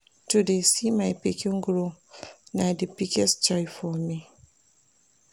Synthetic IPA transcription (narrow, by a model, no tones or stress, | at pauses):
tudesimajpikʰoŋɡuɾonadəpikɛst͡ʃaifɔmi